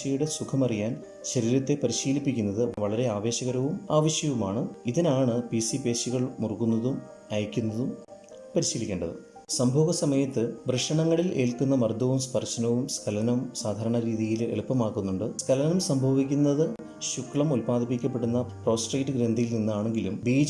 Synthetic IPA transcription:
ɐjuɽe̞sukʰɐmɐrijaːn | ɕɐɾiːɾɐt̪ːe̞pɐɾiɕiːlipːikʲːunːɐðɨʋɐɭɐɾe̞aːʋe̞ːɕɐɣɐɾɐʋumaːʋɐɕjɐʋumaːɳɨiðinaːɳɨpisipe̞ːɕiɣɐɭmurkunːɐðum | ɐjɐkʲːunːɐðum | pɐɾiɕiːlikʲːeːɳɖɐ̰ðɨ̰ | sɐmbʱoːɣɡɐsɐmɐjɐt̪ːɨbrɐʂɐɳɐŋːɐɭile̞̰ːlkunːɐmɐrd̪ʱɐʋumspɐrɕɐnɐʋumskʰɐlɐnɐmsaːd̪ʱaːɾɐɳɐɾiːðijilḛɭupːɐmaːkːunːuɳɖɨskʰɐlɐnɐmsɐmbʱɐʋikʲːunːɐðɨ | ɕukːɭɐmulpaːd̪ʱipːikʲːɐpːe̞ɽunːɐpro̞ːsʈrɐjʈːɨɡɾend̪ʱijilninːaːɳe̞ŋɡilumbiːd͡ʑ

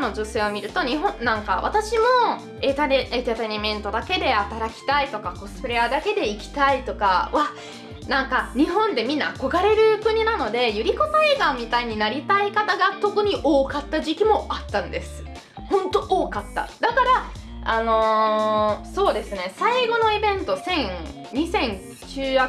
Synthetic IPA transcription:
no̞ʑose̞ːomʲiɾɯ̟t̪o̞ɲ̟iɦõ̞nãŋka̰βa̰t̪aɕimo̞ | et̪aet̪at̪aɲʲimẽ̞nt̪o̞d̪ake̞d̪e̞at̪aɾakʲi̥t̪ait̪o̞kako̞sɨ̥pɯ̟ɾe̞ad̪ake̞d̪e̞ikʲi̥t̪ait̪o̞kaβa | nãŋkaɲ̟iɦõ̞nd̪e̞mʲĩnːako̞ɡaɾe̞ɾɯ̟kɯ̟ɲ̟inano̞d̪e̞jɯɾʲikot̪aeːɡamʲit̪aiɲ̟inaɾʲit̪aikat̪aɡat̪o̞kɯ̟ɲ̟iʔo̞ːkat̪ːaʑikʲimo̞at̪ːãnd̪e̞sɨ̥ | hõ̞nt̪o̞ʔoːkat̪ːa̰d̪akaɾa | ano̞ | so̞ːd̪e̞sɨne̞saiɡo̞no̞ibẽ̞nt̪o̞sẽ̞ŋ | ɲ̟isẽ̞n | t͡ɕɨːja

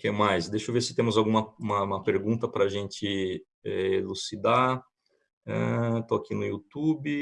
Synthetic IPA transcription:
kɛmajsd̪eʃʊveɾsɪ̥t̪ẽmʊzawɡũmɐũmɐũmɐpeɾɡũnt̪ɐpɾɐːʒẽnt͡ʃɪ | ɛelusid̪a | ɛ̃t̪oakinʊjut̪ubɪ

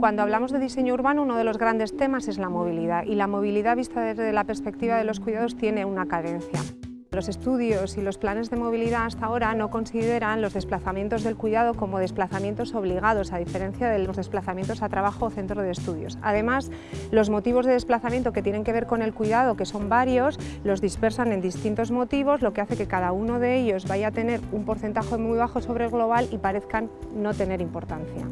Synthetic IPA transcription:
kwand̪oaβlamo̞zðe̞ðise̞ɲouɾβanouno̞ð̞e̞lo̞zɣɾand̪e̞st̪e̞mase̞zlamo̞β̞iliðaʔilamo̞β̞iliðaβist̪aðezðelape̞ɾspe̞k̚t̪iβaðe̞lo̞skwiðaðo̞st̪je̞ne̞unakaðe̞nθja̰ | lo̞sest̪uðjo̞silo̞splane̞zðe̞mo̞β̞iliðaːst̪ao̞ɾano̞ko̞nsiðe̞ɾanlo̞zðe̞splaθamje̞nt̪oðe̞lkwiðaðo̞ko̞mo̞ðe̞splaθamje̞nt̪o̞so̞βliɣ̞að̞o̞saðife̞ɾe̞nθjaðe̞lo̞zðesplaθamjent̪o̞sat̪ɾaβaxo̞ːθe̞nt̪ɾoð̞est̪uðjo̞̰sa̰ðe̞mas | lo̞zmo̞t̪iβo̞zðe̞ðe̞splaθamjent̪oke̞t̪je̞ne̞ŋke̞β̞e̞ɾko̞ne̞lkwiðað̞o̞ke̞so̞mbaɾjo̞s | lo̞zðispe̞ɾsane̞nd̪ist̪int̪o̞zmo̞t̪iβ̞o̞zlo̞ke̞aθe̞ke̞kað̞auno̞ðe̞eʎo̞zβaʝat̪e̞ne̞ɾumpo̞ɾθe̞nt̪axe̞mujβ̞axo̞so̞βɾelɣlo̞β̞alipaɾe̞θkanːot̪e̞ne̞ɾimpo̞ɾt̪anθja̰

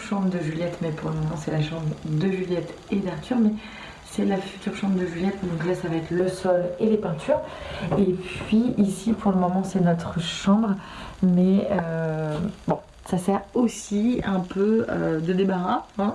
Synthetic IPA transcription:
ʃɑ̃bʁd̪əʒyljɛt̪mɛpuʁləmɔmɑ̃sɛlaʃɑ̃bʁd̪əʒyljɛt̪ | ed̪aʁt̪yʁmɛ | sɛlafy̥t̪yʁʃɑ̃bʁd̪əʒyljɛt̪d̪ɔ̃kʒasavaɛkləsɔlelepɛ̃t̪ʰyːʁepɥiisipʰuʁləmɔmɑ̃sɛnɔt̪χəʃɑ̃bʁ | mɛø | bɔ̃ | sasɛʁosiɛ̃pøød̪əd̪ebaʁaɛ̃

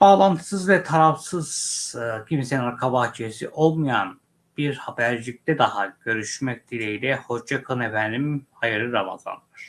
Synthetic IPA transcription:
b̥aːlˠant̪ʰɯ̥sɯzvɛt̪ʰaɾafsɯz̥cʰimseniaɾkʰabaːt͡ʃʰisḭʔo̞lˠmɯjan | b̥iɾhabæɾd͡ʒic̚t̪ʰɛd̪ahaɟ̥ø̞ɾyʃmɛc̚d̪ʰilʲeilʲɛhod͡ʒakʰɯnevænimhajɯɾɯɾama̰za̰nd̪ɯɾ̥

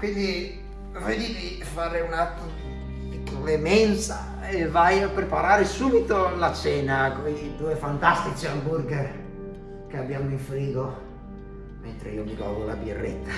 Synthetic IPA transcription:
kwind̪i | ved̪iːvi | faːɾeunat̪ | ikolemɛnsa | evajapɾepaɾaːɾesuːbit̪olat͡ʃɛːnakoid̪uːefant̪ast̪it͡ʃiamburɡ | k̟eabːjaːmoiɱfɾiːɡo | ment̪ɾḛiːomiɡɔ̰ːd̪ola̰birːḛt̪ːḁ

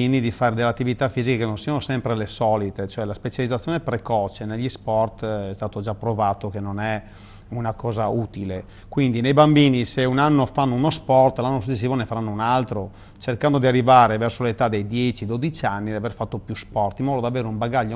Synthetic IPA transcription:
inid̪ifaːɾed̪elːeat̪ːivit̪afːiːzikekenonsianosɛmpɾelesɔːlit̪et͡ʃoɛlaspet͡ʃalid̪zat̪sːjoːnepɾekɔːt͡ʃeneʎːispɔrt̪ɛst̪aːt̪od͡ʒapːɾovaːt̪okenːonɛ | unakɔːzauːt̪ile | kwind̪inejbambiːniseunanːofanːounospɔrt̪lanːosut͡ʃːes̬ːiːvonefaɾanːounalt̪ɾo | t͡ʃerkand̪od̪iarːivaːɾevɛrsolet̪ad̪ejd̪jɛt͡ʃid̪od̪it͡ʃanːid̪iaverfat̪ːopjuspɔrt̪imɔːd̪od̪iaveːɾeumbaɡaʎːo

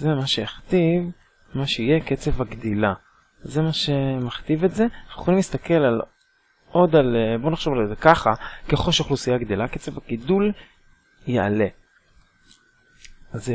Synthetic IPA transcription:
zemaʃeeχt̪iv | maʃeijeket͡se̞vaɡd̪ila | ze̞maʃe̞maχt̪ive̞tze̞nuχolimlist̪ake̞lal | ʔo̞d̪albo̞naχʃovalzekaχakeχoʃχlusijaɡd̪ilaket͡se̞vaɡid̪ul | jea̰le̞ | aze

